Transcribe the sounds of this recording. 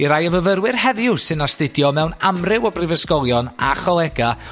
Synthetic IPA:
iɾajəvəvəɾwɪrhɛðjʊsɨnastɪdjɔmɛwnamrɪwɔbrɪvəskɔlˠjɔna̰χɔlˠɛɡa

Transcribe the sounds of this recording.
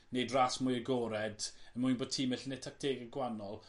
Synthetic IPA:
nejdraːsmʊjəɡɔɾɛdənmujnboːd̚tʰiːmɛɬənetʰak̚tʰeːɡəɡwanɔlˠ

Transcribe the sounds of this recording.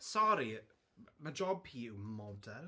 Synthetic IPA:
sɔɾi | mad͡ʒɔbhiːɪwmɔdɛl

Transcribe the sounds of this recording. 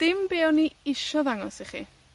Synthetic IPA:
d̥ɪmbeːɔniɪʃɔðaŋɔsiχḭ

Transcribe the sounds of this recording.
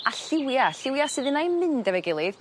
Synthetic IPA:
aɬɪwjaɬɪwjasɨðɨnajmɪndavɛɡɪlˠɪð̥

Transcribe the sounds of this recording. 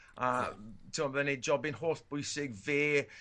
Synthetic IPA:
atʰɪmɔðəned͡ʒɔbɪnɦoːθb̥ʊjsɪɡveː

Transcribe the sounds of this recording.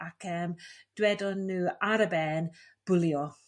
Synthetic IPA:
akʰɛmd̥wɛdɔnːuːaɾəbɛːn | b̥ʊljɔ

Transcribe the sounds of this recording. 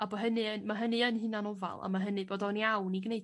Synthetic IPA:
abɔɦənɨənmaɦənɨənhɨnanɔva̰lˠa̰maɦənɨboːdɔniawniɡnej

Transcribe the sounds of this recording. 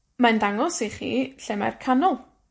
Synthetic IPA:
mandaŋɔsiχḭːɬɪmɛ̰rkʰanɔlˠ

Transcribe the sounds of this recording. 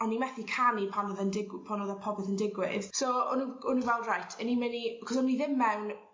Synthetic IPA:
ɔnːimɛθikʰanipʰanɔðəndɪɡwpʰanɔðapʰɔbɛðəndɪɡwɪð̥soɔnuʊnuvɛlˠdrajtʰənimɪnikʰɔsɔmniðɪmːɛwn

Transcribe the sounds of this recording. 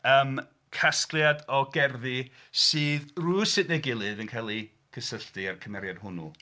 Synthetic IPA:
əːm | kʰasklˠjadɔɡɛrði | sɨːðrusɨnɛɡɨlˠɨðənkʰalˠi | kʰəsəɬtɨarkʰəmɛɾjad̥hʊnṵ

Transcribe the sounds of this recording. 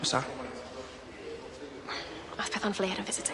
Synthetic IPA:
sa | aθpʰɛθɔ̃nfleːɾə̃nvɪz̥ɪt

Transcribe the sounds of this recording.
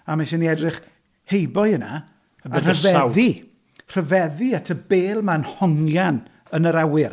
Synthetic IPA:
amaʃɛniɛdrɪχ | hejbɔɨəna | ar̥əvɛði | r̥əvɛðiatʰəbeːlˠmanhɔŋjan | ənəɾawɪr

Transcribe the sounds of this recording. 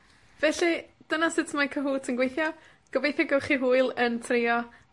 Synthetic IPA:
vɛɬid̥ənasɪtʰəmakʰəɦuːtʰənɡwejθjɔ | ɡ̥əvejθjɔɡɛwχiɦuːɨlˠəntʰrɪɔ

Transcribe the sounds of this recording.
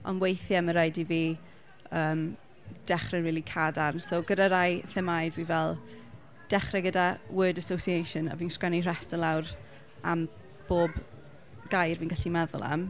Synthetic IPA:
ɔ̰nwejθjaməɾajdiviː | əːm | d̥ɛχrɛnriːlˠikʰadansoɡədaɾajθəmajdwinvɛlˠ | d̥ɛχrɛɡədawʊdəsowsiejʃəna̰viːnskanir̥ɛstəlˠawr | a̰m | b̥oːb | ɡ̥ajrviːnɡ̥aɬimɛðʊ̰lˠa̰m

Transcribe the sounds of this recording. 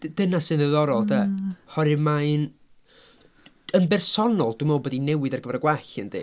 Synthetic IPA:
d̥ənasɨnðəðɔɾɔlˠdahɔɾɨmaɨn | ənbɛrsɔnɔlˠd̥umobɔdinɛwɨdarɡəvaɾəɡwaɬəndɨ̰

